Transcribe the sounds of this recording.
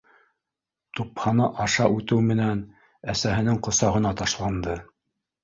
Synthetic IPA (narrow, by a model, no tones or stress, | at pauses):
t̪uphɑnɑʔɑʃɑʔʉt̪ɘwmɘ̆næn | æsæɦɘ̆nɘŋqŏsɑʁɤ̆nɑt̪ɑʃlˠɑnd̪ɤ